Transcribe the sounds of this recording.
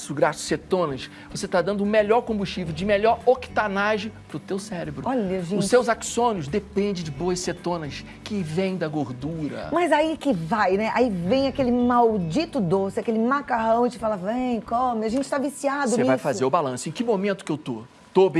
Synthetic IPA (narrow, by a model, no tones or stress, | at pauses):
suɡɾasʊ̥set̪õnɐʃ | voset̪ad̪ɐ̃nd̪ʊũmeʎɔɾkõbuʃt͡ʃiveʊwd͡ʒɪmeʎɔɾoki̥t̪anaʒɪpɾʊt̪ewsɛɾebɾʊɔʎɐʒẽʊsewzaksõniʊzd̪epẽnd͡ʒɪd͡ʒɪboɐsset̪õnɐs | kɪvẽj̃d̪ɐɡoɾd̪uɾɐ̰mɐzaikɪvajnɛʔaivẽj̃akelɪmawd͡ʒit̪ʊd̪osɪakelɪmakaɦɐ̃w̃ɪt͡ʃɪfalɐvẽj̃kõmɪɐʒẽnt͡ʃɪ̥t̪avisiad̪ʊsvajjfazeɾʊbalɐ̃sʊẽj̃kɪmomẽnt̪ʊkewt̪o | t̪ob